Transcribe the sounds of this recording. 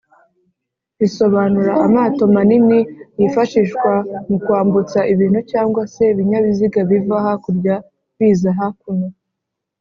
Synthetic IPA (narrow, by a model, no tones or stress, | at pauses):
iso̞βanuɾaʔːmaːto̞maninijifaʃiːʃkwamukuaːmbut͡saʔiβiːn̥hucaːŋɡwase̞iβiɲaβiziɡaβivahakuɾɟa | βiːzaɦakuno